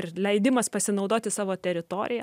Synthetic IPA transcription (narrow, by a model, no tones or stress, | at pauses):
rlʲɛɪd̪ʲɪmɐspɐsʲɪnɐʊd̪oːt̪ʲɪsɑːʋoːt̪ʲɛɾʲɪt̪oːɾʲɪjɛ